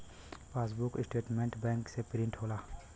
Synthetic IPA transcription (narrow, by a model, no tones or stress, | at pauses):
paːs̬bʊkɪsʈeːʈmẽɳʈbɛ̃ːŋksepɾɪ̃ɳʈɦoːlaː